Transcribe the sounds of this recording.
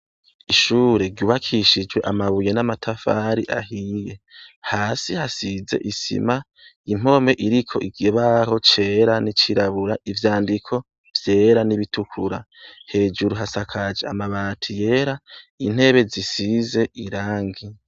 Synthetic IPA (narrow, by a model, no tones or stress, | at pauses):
iʃuːɾe̞ɾɟuːβakʰiʃid͡ʒwe̞ʔamaβuje̞namatʰafaːɾiʔaɦije̞haːsihasize̞̰ʔisḭma | im̥o̞me̞ʔiɾikʰo̞̰ʔiɡeβaho̞t͡ʃe̞ɾanit͡ʃiɾaβuɾaʔivjaːndikʰo̞ | v̥je̞ːɾaniβitʰukʰuɾa | he̞ːd͡ʒuɾuɦasakʰad͡ʒeamaβaːtʰije̞ɾain̥he̞βe̞zisize̞ʔiɾaːŋɡi